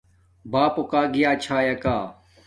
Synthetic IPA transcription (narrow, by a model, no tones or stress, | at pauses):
baːpokaːɡijaːt͡ɕʰaːjɐkaː